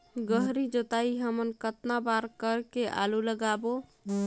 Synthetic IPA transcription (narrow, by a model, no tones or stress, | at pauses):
ɡəɦɾid͡ʒot̪aiɦəmənkət̪nabaɾkəɾkeʔa̰luləɡabo